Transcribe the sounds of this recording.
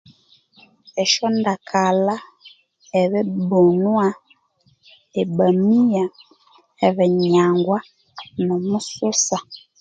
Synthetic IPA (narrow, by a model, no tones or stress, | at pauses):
ɛʃɔndakʰala | ɛβɛbonwa | ebamija | ɛβɛɲaŋɡwa | nɔmusosa